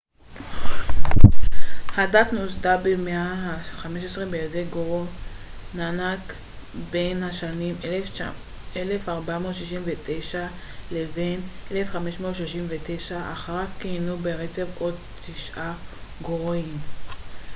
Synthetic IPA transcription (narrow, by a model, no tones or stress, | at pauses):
hadat̪nosdabemeaɦaχameʃesʁebejazeɡoʁonanak | benhaʃanim | elefaʁbamo̞t̪ʃiʃimvet̪e̞jʃa | levenelefχameʃmot̪ʃoʃimvet̪ejʃaaχaʁakːinubeʁet͡se̞vo̞d̚ | t̪iʃʔaɡoʁim